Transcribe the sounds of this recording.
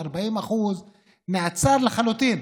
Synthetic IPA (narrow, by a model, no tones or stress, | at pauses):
aɾˤbaʕiːmʔaxuːz | mɪʕt͡sɑːɾˤlɪxalut̪iːn